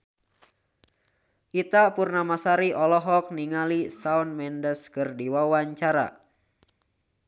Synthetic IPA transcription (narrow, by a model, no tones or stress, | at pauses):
ʔit̪apurnamasaɾiʔɔlɔɦɔk̚niŋalisaunmɛndəskɨrdiwawaɲt͡ʃaɾa̰